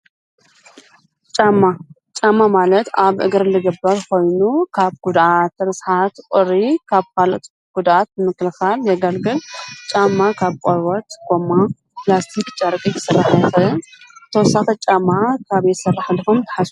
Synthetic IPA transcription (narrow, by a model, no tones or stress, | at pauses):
t͡ʃʼamːa | t͡ʃʼamːamalɐt̪aβʔɨ̰ɡɨɾɨlɨɡɨbːɐɾko̞jnukʰaβɡ̥ud̪ʔat̪ːɐβɐsħat̪kʼɨɾikʰaβkalʔt̪ | ɡ̥ud̪at̪̚bɨmɨkːlɨxaljɐɡɐlɡɨlt͡ʃʼamːakʰaβkʼoɾwot̪ɡ̥omːa | plast̪ʰikt͡ʃʼɐɾkʼijɨsɨrːaħjɛxɨɨnt̪ʰɐwɔsːaxɐt͡ʃʼamːakʰaβet̪sɐraħlfomt̪ʰɐ̥ħasu